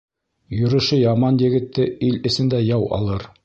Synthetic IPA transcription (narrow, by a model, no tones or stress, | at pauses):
jɵ̆ɾɤ̆ʃɤjɑmɑnjɘ̆ɡɘ̆t̪ːɘilɘ̆sɘ̆nd̪æjɑwɑ̰lˠɤɾ